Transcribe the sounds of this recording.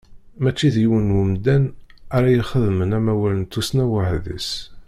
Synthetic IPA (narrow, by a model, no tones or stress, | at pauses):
mæt͡ʃːiðjiwənwʊmd̪ænaɾajəχəðmənæmæwælənt̪ːusnæwəhðḭs